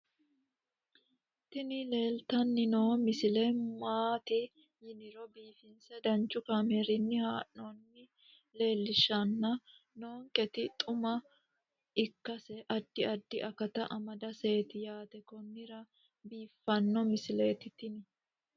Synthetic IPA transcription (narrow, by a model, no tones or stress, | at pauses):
t̪ɪnɪle̞ːlt̪ɐnːɪnoːmɪsɪlɛmaːt̪ɪ | jɪnɪɾɔbiːfɪnsɛd̪ɐnt͡ʃʼːʊkaːmɛɾɪnːɪhaːʔonːɪ | le̞ːlːɪʃɐnːɐ | no̞ːŋkʼɛt̪ɪt̪ʼʊmɐ | ɪkːɐsɛʔɐd̪ːɪɐd̪ːɪʔɐkɐt̪ɐʔɐmɐd̪ɐse̞ːt̪ɪjaːt̪ɛkɔnːɪɾɐ | biːfːɐnːɔmɪsɪle̞ːt̪ɪt̪ɪnɪ